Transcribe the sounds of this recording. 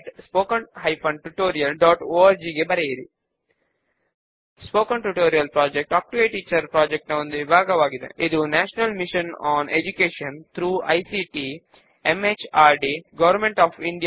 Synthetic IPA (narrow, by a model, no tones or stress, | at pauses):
ʈspoːkɐnɦɐjpʰɐ̃ɳɖʈuʈoːɾijɐlɖɔːʈoːaːɾd͡ʒiːɡebɐɾejiɾi | spoːkɐɳʈuʈoːɾijɐlpɾaːd͡ʒek̚ʈaːk̚ʈueʈiːt͡ʃɐɾpɾaːd͡ʒek̚ʈnɐʋõnd̪uʋibʱaːɡɐʋaːɡid̪ḛʔid̪unæːʃɐnɐlmiʃɐ̃nɔ̃ːned͡ʒukeːʃɐ̃nt̪ʰɾuːɐ̰jsiʈi | emet͡ʃaːɾɖiɡɐʋɐɾmẽɳʈɔːfĩɳɖij